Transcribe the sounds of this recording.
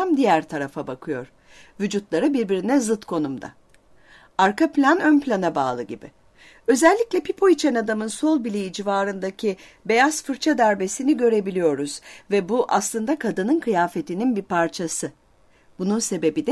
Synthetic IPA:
amd̪ijæɾt̪ʰaɾafabakʰɯjo̞̰ɾ̥ | vyd͡ʒut̪lˠaɾɯbiɾbiɾinɛzɯt̪kʰo̞numd̪a̰ | aɾkaplʲanø̞nplʲanaba̰ːlˠɯɟibɪ̰ | ø̞zɛlʲːiclʲɛpʰipʰo̞it͡ʃʰɛnad̪amɯnso̞lˠbilʲejid͡ʒivaːɾɯnd̪acʰi | be̞jazfɯɾt͡ʃʰad̪æɾbe̞siniɟø̞ɾe̞bilʲijo̞ɾuz̥vɛbuʔaslˠɯnd̪akʰad̪ɯnɯnkʰɯjaːfe̞t̪ʰininbiɾpʰaɾt͡ʃʰasɯ | b̥ununse̞be̞bid̪ɛ

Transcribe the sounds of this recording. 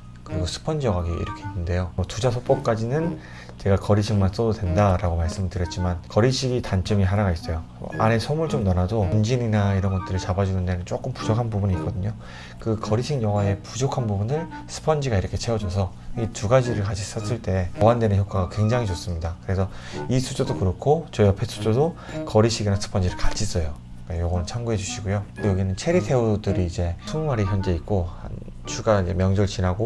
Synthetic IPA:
kɯɾiɡosʰɯ̥pʰʌnd͡ʑijʌŋɦaɡiḭɾʌkʰe̞inːɯnde̞joʌtud͡ʑasʰop͈ʌk̚k͈ad͡ʑinɯn | t͡ɕe̞ɡakʌɾiɕʰiŋmans͈ʌdodwe̞ndaɾaɡomaɭs͈ɯmɯɭtɯɾjʌt̚t͡ɕ͈imankʌɾiɕʰiɡitant͡ɕ͈ɯmiɦanaɣais͈ʌjo̰ | ane̞sʰʌmɯɭt͡ɕomnʌnadound͡ʑininaiɾʌnɡʌt͈ɯɾɯɭt͡ɕabad͡ʑunɯnde̞nɯnt͡ɕ͈ok͈ɯmpud͡ʑokʰanbubuɲiːtk͈ʌdɯɲo | kɯkʌɾiɕʰiŋjʌŋɦae̞pud͡ʑokʰanbubunɯɭ | sʰɯ̥pʰʌnd͡ʑiɡaiɾʌkʰe̞t͡ɕʰewʌd͡ʑos̬ʰʌ | etuɡad͡ʑiɾɯɭkat͡ɕʰis͈ʌs͈ɯɭt͈e̞ʌwandwe̞nɯnçjok͈aɡakwe̞ŋd͡ʑaŋɦit͡ɕʌs͈ɯmɲidakɯɾe̞sʰʌ | isʰud͡ʑodokɯɾʌkʰot͡ɕʌiʌpʰe̞sʰu̥d͡ʑodo | kʌɾiɕʰiɡinasʰɯ̥pʰʌnd͡ʑiɾɯɭkat͡ɕʰis͈ʌjo | k͈ajoɡʌnɯnt͡ɕʰaŋɡuɦe̞d͡ʑuɕʰiɡojojʌɡinɯnt͡ɕʰeɾitʰe̞udɯɾiːd͡ʑe̞tʰuŋmaɾiçjʌnd͡ʑe̞it̚k͈oha̰n | t͡ɕʰuɡaid͡ʑe̞mjʌŋd͡ʑʌɭt͡ɕinɦaɡo

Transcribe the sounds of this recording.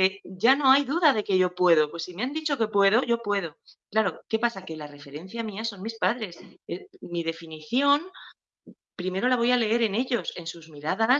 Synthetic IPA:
eʝano̞ajðuðaðe̞ke̞ʝo̞pwe̞ðo̞pwe̞sːimeand̪it͡ʃo̞ke̞pwe̞ðo̞ʝo̞pwe̞ðo̞klaɾo̞ke̞pasakelare̞fe̞ɾe̞n̟θjamiaso̞nmispaðɾe̞semiðe̞finiθjo̞n | pɾime̞ɾo̞laβo̞jale̞e̞ɾe̞ne̞ʎo̞se̞nsuzmiɾaða

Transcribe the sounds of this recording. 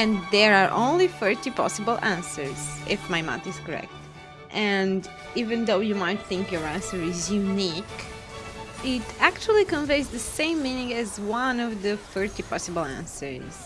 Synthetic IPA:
ɨ̃nðɛɹaɹʔõ̰ʊ̃nlifɜ˞t̪ipʰɔ̰sɨbəl̩ˠæ̃nsə̰˞z̥ʔɪfmaɪmã̰tɨz̥kɔɹɛ̰k̚t | ʔɛ̃n | ivɨ̃nðoʊjumaɪt̪̚θɪ̃ŋkjɔ˞æ̃nsə˞ɪzjunik | ɪtækt͡ʃul̩ˠikə̃nveɪzðɨsẽɪ̃mːĩnɪ̃ŋɨzwʌ̃nɔvðɨfɜɹtipʰɑsɨbl̩ˠæ̰̃nsə̰˞z̥

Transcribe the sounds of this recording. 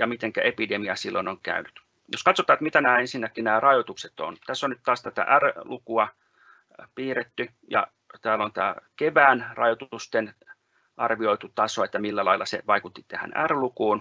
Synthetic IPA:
jɑmit̪eŋkæʔepidemiɑsilːonoŋkæ̰ynyt̪ | joskɑt̪sot̪ːˑɑːet̪mit̪ænæːensinːækːinæːrɑjot̪ukset̪o̰nt̪æsːonyt̪t̪ɑːst̪æt̪æ̰ʔærlukuɑ | piːret̪ːy | jɑ̰ | t̪æːlont̪æ̰ːkeʋæːnrɑjot̪ust̪en | ʔɑrʋioit̪ut̪ɑsoet̪ːæmilːælɑilːˑɑsḛʋɑikut̪ːi̥t̪æhæ̰næ̰rlukuːn

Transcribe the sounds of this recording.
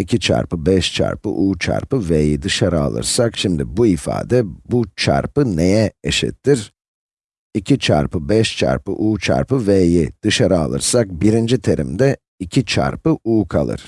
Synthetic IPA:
icʰit͡ʃʰa̰ɾpɯbɛʃt͡ʃʰa̰ɾpɯ̰ʔuːt͡ʃʰa̰ɾpɯveːjid̪ɯʃaɾaa̰lˠɯ̰ɾsakʃimd̪ibuifa̰ːd̪ɛbut͡ʃʰa̰ɾpɯne̞jɛeʃɛ̰t̪ʰːiɾ̥ | icʰit͡ʃʰa̰ɾpɯbɛʃt͡ʃʰa̰ɾpɯ̰ʔuːt͡ʃʰa̰ɾpɯvejid̪̥ɯʃaɾaa̰lˠɯ̰ɾsak̚biɾind͡ʒit̪ʰe̞ɾʔḭmd̪ɛ | icʰit͡ʃʰa̰ɾpɯuːkʰalˠɯ̰ɾ̥

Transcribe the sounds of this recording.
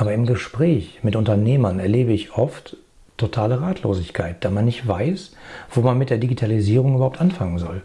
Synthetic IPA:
ʔaːbɐɪmɡəʃpʁ̥ɛːçmɪtʊntɐneːmɐnɛɐleːbəɪçʔɔftʰː | otʰaːləʁaːtʰlo̰ːzɪçkʰaɪt̚d̥aːmanːɪçtv̥aɪsv̥oːmanmɪt̚d̥eːɐdiɡitʰaliziːʁ̞ʊŋʔybɐhaʊptʔanfaŋənzɔl

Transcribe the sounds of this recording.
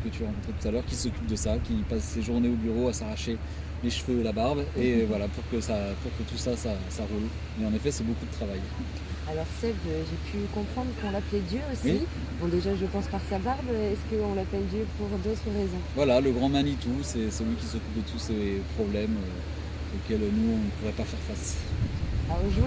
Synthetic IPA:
kət̪yaʁɑ̃kɔ̃t̪χet̪ut̪alœʁkʲisɔkʲyp̚d̪əsakʲipasːeʒuʁneobyʁoasaʁaʃe | leʃfød̪əlabaʁbevwalapuʁkəsapuʁkət̪usasasaʁul | mɛɑ̃nefɛsɛbokud̪ət̪χavaj | alɔʁsɛvøʒepʰykɔ̃pχɑ̃d̪ʁəkɔ̃laplɛd̪jøoswi | bɔ̃d̪eʒaʒəpɑ̃spaʁsabaʁbɛskəɔ̃lapɛld̪jøpuʁd̪ot̪χəʁezɔ̃vwalaləɡʁɑ̃manit̪usɛsɛlwɥikʲisɔkʲyp̚d̪ət̪usepχɔblɛmø | okʲɛlønuɔ̃nəpuʁɛpafɛʁfas | aʁoʒu

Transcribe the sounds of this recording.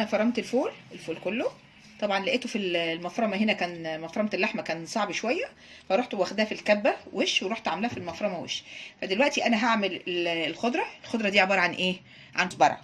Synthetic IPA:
ʔænæfɑɾˤːɑmt̪elfoːlelfoːlkolːo | t̪ˤɑbʕɑnlæʔeːt̪ofillmɑfɾˤɑmɑɦenækæːnmɑfɾˤɑmt̪elːaħmækæːnsˤɑʕbiʃowæjːæ | fæɾˤoːħt̪owæxd̪æːfilkæbːæweʃweɾoħt̪ʕamelæhæfilmɑfɾˤɑmɑwḛʃfæd̪elwæʔt̪iʔænæɦaʕmelelelxod̪ɾˤɑelxod̪ɾˤɑd̪iːʕebɑːɾˤɑʕanʔeː | ʕant̪bɑ̰ɾˤʕɑ̰

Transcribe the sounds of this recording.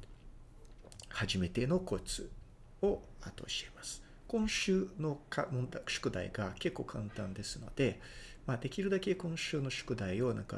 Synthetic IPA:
haʑime̞t̪e̞no̞ko̞t͡sɨ | o̞at̪o̰ɕiemasɨ̥ | kõ̞ɰ̃ɕɨːno̞kʰamõnd̪ḁɕɨ̥kɯ̟d̪a̰iɡake̞kːo̞ːkʰãnt̪ãnd̪e̞sɨno̞̰d̪e̞ | maːd̪e̞kʲiɾɯ̟d̪ake̞kõ̞ɰ̃ɕɨːno̞ɕɨ̥kɯ̟d̪aio̞nʔã̰ŋka̰

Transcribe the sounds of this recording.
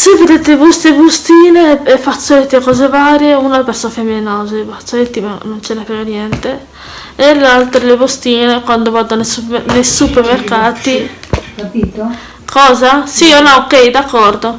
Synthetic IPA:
seved̪et̪ebost̪ebost̪iːneefat̪sːoet̪ːkɔːzevaːɾjeunapeɾsonfeminoːzebat̪soet̪ːimanont͡ʃɛnepɾenonjɛnt̪e | elalt̪ɾelebost̪iːnekwand̪ovad̪onesunejsupeɾmerkaːt̪i | kʰɔːzasionɔokɛjd̪akːɔrd̪o

